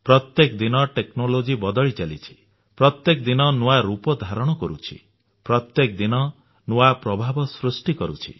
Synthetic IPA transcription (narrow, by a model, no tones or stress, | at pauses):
pɾɔt̪jekd̪inɔʈeknolod͡ʒibɔd̪ɔɭit͡ʃalit͡ʃʰi̥ | pɾɔt̪jekd̪inɔnuwaɾupɔd̪ʱaɾɔɽ̃ɔkɔɾut͡ʃʰḭ | pɾɔt̪jekd̪inɔ | nuapɾɔbʱabɔsɾusʈikɔɾṵt͡ʃʰḭ